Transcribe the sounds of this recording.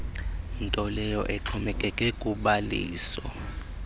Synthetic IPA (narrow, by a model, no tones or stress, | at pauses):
ntʼɔlɛjɔʔɛǁʰɔmɛkʼɛkʼɛkʼuɓalḭːsɔ̰